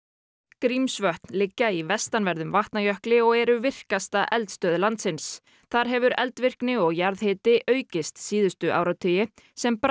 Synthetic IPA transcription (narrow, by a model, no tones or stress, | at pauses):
kɾimsvœht̪nlɪcːaivɛst̪anvɛɾðʏmvaht̪najœhklɪɔɣɛɾʏvɪr̥kast̪aʔɛlt̪st̪œːðlant̪sɪns | θaɾ̥ɦɛvʏɾɛ̰lt̪vɪr̥knɪɔɣjaɾðhɪːt̪ɪʔœːɥcɪst̪siːðʏst̪ʏʔa̰wɾawt̪ʰʏjɪ | sɛmp